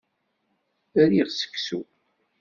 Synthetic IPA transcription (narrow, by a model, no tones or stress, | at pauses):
æɾiʁsə̥kːsṵ